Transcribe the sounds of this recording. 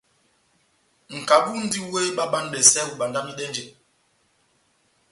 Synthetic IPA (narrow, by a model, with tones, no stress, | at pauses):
ŋ̩˨ka˨ɓu˦n̩˦di˦we˦ɓa˦ɓa˦nɓɛ˨sɛ˦u˨ɓa˨nda˦mni˦ɗɛ˦nd͡ʒe˨